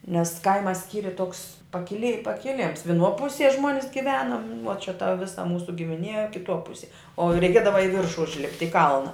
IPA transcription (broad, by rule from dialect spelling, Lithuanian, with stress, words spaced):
nʲɛs ˈkɐɪmɐ ˈsʲkʲiːrʲɪ toːks pɐkʲɪˈlʲɪ pɐkʲɪˈlʲɪms ʋʲɪˈnuɔ ˈpʊsʲiɛ ˈʒmuɔnʲɪs ɡʲɪˈʋʲæːnʊm nʊ oː t͡ʃʲɛ tɐ ˈʋʲɪsɐ ˈmuːsʊ ɡʲɪmʲɪˈnʲiɛ kʲɪˈtuɔ ˈpʊsʲiɛ oː rʲɛɪˈkʲeːdɐʋɐ ɪ ˈʋʲɪrʃʊ ʊʒʲˈlʲɪpʲtʲ ɪ ˈkɐlˠnɐ